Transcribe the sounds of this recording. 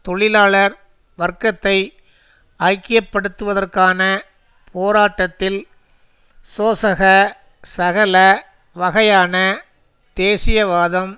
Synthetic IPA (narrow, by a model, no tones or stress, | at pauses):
t̪ɔɭɪlaːɭɐɾ | ʋɐrkɐt̪ːɐɪ | ɐkːɪjɐpːɐɽɯt̪ːɯʋɐðɐrkaːnɐ | pʰoːɾaːʈːɐt̪ːɪl | soːsɐɣɐ | sɐɣɐlɐ | ʋɐɣɐjaːnɐ | d̪̥eːsɪjɐʋaːðɐm